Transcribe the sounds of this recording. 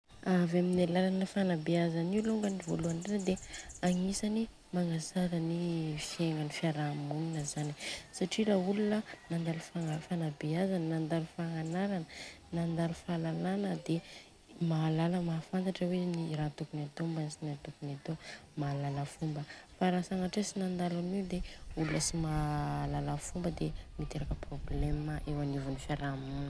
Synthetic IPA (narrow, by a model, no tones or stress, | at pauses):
avaminalalanəfanabeazaniuluŋɡanivoluaɳɖ͡ʐenəd̪eaŋisani | maŋazaɾənifieŋanifiaɾamuninəzanisaʈ͡ʂiɾaːɦulunənand̪alufaafanabeazanənand̪aɾufaŋanaɾanə | nand̪aɾufalalanəd̪e | maːlaləmafant̪aʈ͡ʂəweniɾat̪ukunat̪ombansinat̪ukunat̪omaːlaləfumbəfaɾasaŋaʈ͡ʂesinand̪alamiwd̪eulunəsimalaləfumbəd̪emit̪eɾakəprobleməʔewanivunifjaɾamun